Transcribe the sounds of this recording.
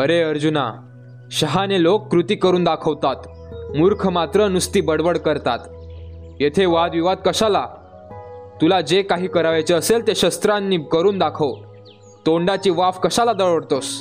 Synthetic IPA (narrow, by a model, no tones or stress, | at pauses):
əɾeəɾd͡ʑuna | ɕəɦanelokːɾut̪iːkəɾuːnd̪akʰəʋt̪at̪ | muɾkʰmat̪ɾənust̪iːbəɽbəɽkəɾt̪at̪ | jet̪ʰeʋad̪ʋiʋad̪̚kəɕala | t̪ulad͡ʑekaɦiːkəɾaʋajt͡seəselt̪eɕəst̪ɾanːiːkəɾuːnd̪akʰəʋ | t̪oɳɖat͡ɕiːʋafkəɕalad̪əɭəɽt̪os